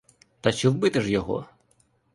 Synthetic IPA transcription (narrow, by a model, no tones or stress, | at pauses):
t̪ɐt͡ʃɔwbɪt̪ɪʃjɔɦɔ̰